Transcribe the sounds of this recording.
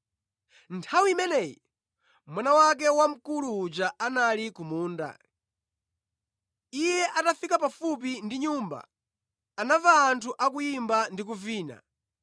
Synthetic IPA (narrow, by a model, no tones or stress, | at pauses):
ntʰawiimɛnɛji | mwanawak̬ɛwam̩kuluːd͡ʒaʔanalikumuːnda̰ | ijɛʔatafikapafup̬indiɲuːmba̰ | anavaːntʰuʔakujimbandik̬uviːna̰